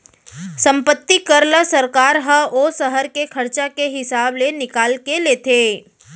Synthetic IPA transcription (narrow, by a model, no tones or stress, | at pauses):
sə̃mpət̪ːikəɾlasəɾkaːɾɦəosəɦəɾkekʰəɾt͡ʃakeɦɪsaːblenɪkaːlkeleːt̪ʰeː